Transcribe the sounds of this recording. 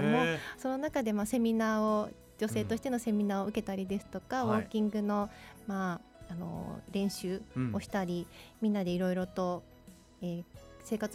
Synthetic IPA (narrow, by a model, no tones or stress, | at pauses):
moso̞no̞nakad̪e̞mase̞mʲinaːo | d͡ʑo̞se̞ːt̪o̞ɕi̥t̪eno̞se̞mʲinaːoɯ̟ke̞t̪aɾʲid̪e̞sɨ̥t̪o̞kaβo̞ːkʲĩŋɡɯ̟no̞maːno̞̰ɾẽ̞ɰ̃ɕɨːo̞ɕi̥t̪aɾʲimʲĩnːad̪e̞iɾo̞iɾo̞t̪o̞ | eːse̞ːkat͡s